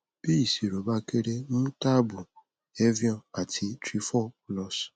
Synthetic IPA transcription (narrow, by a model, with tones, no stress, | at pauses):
bi˦˨si˨ɾo˨ba˦ke˦ɾe˦mũ˦ta˦bu˨ | e˦vjɔ̃˦˨a˨tʰi˧tɾi˦fɔ˦˨lɔ˧˦s